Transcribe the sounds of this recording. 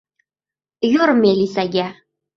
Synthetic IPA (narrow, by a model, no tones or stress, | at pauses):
juɾmelisæɡʲæ